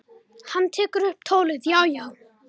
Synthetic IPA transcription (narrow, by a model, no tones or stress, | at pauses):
hant̪ʰɪkɾʏp̚t̪ʰoːlɪðjawjaw